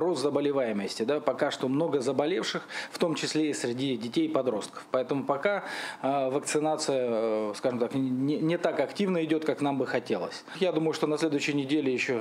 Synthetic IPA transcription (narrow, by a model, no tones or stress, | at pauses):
roszəbəlʲɪvajɪməsʲtʲɪd̪apɐkaʂt̪o̞mno̞ɡəzəbɐlʲefʂɨxft̪o̞mt͡ɕɪsʲlʲeɪsʲɾʲɪdʲidʲɪtʲejpɐd̪ɾo̞st̪̚kə̥fpɐɛt̪əmʊpɐka | vəkt̪sɨnat̪sɨjəskaʐɨmt̪akʲnʲɪnʲɪt̪akɐktʲivnəɪdʲot̪kaknambɨxɐtʲe̞lˠə̰sʲ | jad̪uməjʊʂt̪o̞nɐsʲlʲed̪ʊjɕːɪjnʲɪdʲelʲɪjɪɕːo